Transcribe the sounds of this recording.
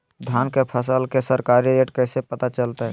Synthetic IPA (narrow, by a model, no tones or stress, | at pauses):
d̪ʱjaːnkepʰəsəlkesəɾkaːɾiɾeːʈkɛːsepət̪at͡ʃəlt̪aɦɛː